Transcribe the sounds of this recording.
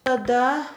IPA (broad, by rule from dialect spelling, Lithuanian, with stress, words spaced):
tɐˈdɐ